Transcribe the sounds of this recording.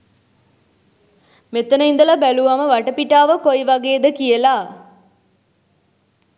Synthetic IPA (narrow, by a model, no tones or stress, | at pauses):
met̪ənəind̪əlabæluʋaməʋaʈəpiʈaːʋəkojʋaɡeːd̪əkijəla